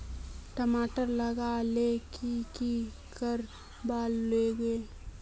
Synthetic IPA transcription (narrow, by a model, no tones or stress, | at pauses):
ʈəmaːʈəɾləɡalekiki | kəɾ | baːlːeɡe